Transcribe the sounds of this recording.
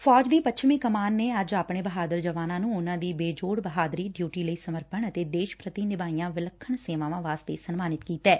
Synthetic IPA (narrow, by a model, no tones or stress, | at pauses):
fʰɔːd͡ʒd̪iːpəʃʰmiːkəmaːnːeːəd͡ʒaːpɳeːbəɦaːd̪əɾd͡ʒəʋaːnãːnũːʊnãːd̪iːbeːd͡ʒoːɽbəɦaːd̪ɾiːɖjuːʈiːləiːsəməɾpəɳət̪eːd̪eːʃpɾət̪iːnɪbaːijãːʋɪləkʰːəɳseːʋãːʋãːʋaːst̪eːsənmaːnɪt̪kiːt̪ɛː